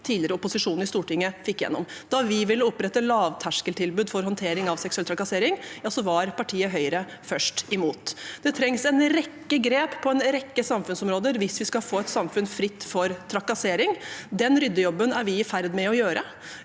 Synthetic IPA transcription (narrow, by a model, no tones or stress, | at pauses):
t̪ʰiːd̪lɪəɾəʊpʊsɪʂuːnɪst̪uːʈɪŋːəfɪkːjɛ̰nːɔ̰md̪ɑʋɪʋɪləɔpɾɛt̪ːəlɑːʋt̪ʰæʂkəlʈ̪ʰɪlbʉːd̪fɔɾɦɔnt̪ʰeːɾɪŋɑʋsɛksʉɛlt̪ʰɾɑkɑseːɾɪŋjɑːsɔʋɑɾpʰɑʈʰiːəɦœʏɾə | fœʂʈɪmuːt̪d̪̥ɛt̪ʰɾɛŋsɛnɾɛkːəɡɾeːppʰːɔɛnɾɛkːəsɑmfʉnsɔmɾoːd̪əɾʋɪsʋɪskɑfoːɛt̪sɑmfʉnfɾɪt̪ːfɔɾt̪ʰɾɑkɑseːɾɪŋd̪ɛnɾʏd̪ːəjɔbːənæɾʋɪɪfæɾd̪mɛɔjøːɾə